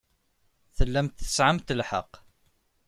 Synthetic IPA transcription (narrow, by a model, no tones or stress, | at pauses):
θəlːæmt̪θə̥sʕamt̪əlħə̰q